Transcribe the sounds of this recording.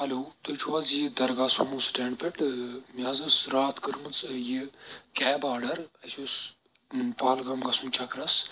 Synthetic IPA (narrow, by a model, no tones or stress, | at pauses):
hɐlʲoːt̪ɨt͡ʃʰuʋɐzjid̪ɐɾɡasumusʈeɳɖpeʈmiɐzɨsɾaːt̪kɨɾmɨt͡sjikʲɛːbaːɖɐɾɐsʲʰus | paːlɡɐmɡɐsumt͡ʃʰɐkɾɐs